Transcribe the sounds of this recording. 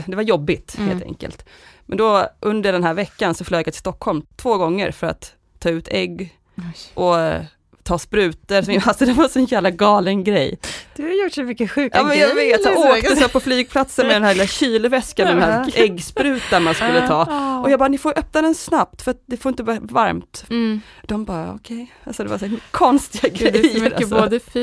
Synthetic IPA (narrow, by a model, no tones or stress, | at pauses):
d̪ɛvaɾjɔbːɪt̪hḛːlt̪ʰɛ̰ŋkə̰lt̪mɛnd̪ɔʔɵnd̪əɖɛnɦæːɾvɛkːansɔfløːɡjat̪ɪlst̪ɔkhɔlmt̪ʰv̥oːɡɔŋːə̰ɾfœɾa̰t̪ʰː | ɑːʉ̟ːt̪ʰɛɡː | ʔɔ | t̪ʰɑːspɾʉ̟ːt̪əɾsɔmɪalsɔd̪ɛvasɔɛnjæːvlaɡɑːlənɡɾɛjːd̪̥ɵhajʊʈsɔmʏkːəɧʉ̟ːkʔɑːmɛnjaveːt̪jaoːkt̪əsɛːpʰɔflyːɡ̚pʰlat̪sənmɛd̪ɛnɦæɾlɪlaɕiːlʊvɛskand̪ɛmhæɛɡːspɾʉ̟ːt̪anmanskɵlːət̪ʰɑːɔjɑɡbɑːɾnɪfoːjʔœp̚nad̪ɛnsnap̚t̪fœɾat̪̚d̪ɛfoɾɪnt̪əbvɑːvaɾmt̪ | d̪̥ɔmbɑːɔ̰kʰɛj | alsɔd̪ɛvaskʰɔnst̪ɪɡaɡɾɾɛjːəɾa̰sd̪ə